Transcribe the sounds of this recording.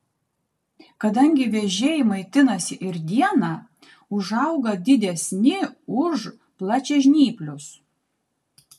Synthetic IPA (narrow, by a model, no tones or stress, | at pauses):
kɐd̪ɐŋʲɡʲɪʋʲɛʒʲeːjɪmɐɪt̪ʲɪnɐsʲɪʔɪɾd̪ʲiɛnɑ | ʊʒɐʊɡɐd̪ʲɪd̪ʲɛsʲnʲɪʊʃ | plˠɑt͡ʃʲɛʒʲnʲiːpʲlʲʊs